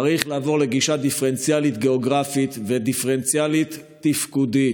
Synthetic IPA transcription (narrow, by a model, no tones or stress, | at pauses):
aʁiχlaːvo̞ʁle̞ɡiʃad̪ifeʁent͡sjalit̪ɡe̞oɡʁafit̪ved̪ifeʁent͡sjalit̪ːifkud̪i